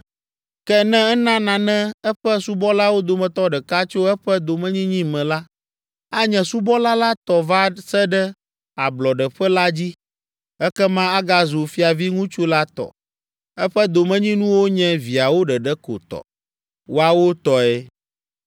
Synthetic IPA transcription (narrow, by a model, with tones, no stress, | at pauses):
kɛ˦nɛ̃˦ɛ˦nã˦nã˨nɛ̃˦ɛ˦ɸɛ˦su˦bɔ˦la˦wo˦d̪o˨mɛ̃˨t̪ɔ˦ɖɛ˨ka˦t͡ʃo˦ɛ˦ɸɛ˦d̪o˨mɛ̃˦ɲĩ˦ɲĩ˦mɛ̃˨la˦ | a˦ɲɛ̃˨su˦bɔ˦la˦la˦t̪ɔ˨va˦sɛ˦ɖɛ˦ | a˨blɔ˨ɖɛ˨ɸɛ˦la˦d͡ʑi˦ | ɛ˦kɛ˦mã˦a˦ɡa˦zu˨fi˦a˨vi˦ŋũ˦t͡ʃu˦la˦t̪ɔ̰˨ | ɛ˦ɸɛ˦d̪o˨mɛ̃˦ɲĩ˦nũ˦wo˦ɲɛ̃˦vi˨a˨wo˦ɖɛ˨ɖɛ˦ko̰˨t̪ɔ̰˨ | wo˦a˨wo˦t̪ɔ˨ɛ˦